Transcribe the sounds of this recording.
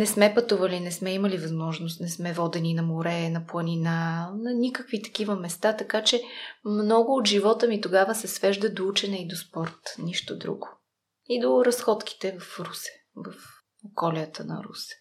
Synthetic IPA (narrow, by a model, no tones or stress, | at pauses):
nɛsmɛpɐt̪uvɐlinɛsmɛimɐlivɐzmɔʒnost̪nɛsmɛvɔd̪ɛninɐmoɾɛnɐplˠɐninanɐnʲikəkvit̪ɐ̥kivəmɛst̪at̪ɐkat͡ʃɛmnɔɡʊːt̪ʒivɔt̪əmit̪oɡavəsɛsvɛʒd̪əd̪out͡ʃɛnɛid̪ospɔɾt̪niʃt̪od̪ɾṵɡo | id̪oɾɐsxɔt̪ki̥t̪ɛvɐfɾusɛ̥ | vɐf | okɔliət̪ənɐ̰ɾṵsɛ̥